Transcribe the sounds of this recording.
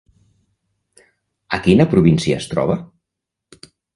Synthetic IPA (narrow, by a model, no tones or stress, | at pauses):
əkinəpɾuβinsiə̰ːst̪ɾɔ̰β̞ə